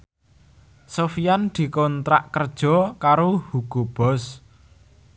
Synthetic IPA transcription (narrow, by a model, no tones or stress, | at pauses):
sofijand̪̥i̤kɔnt̪ɾa̰ʔkərd̥ʒ̥ɔ̤kaɾohuɡ̥o̤b̥ɔ̤s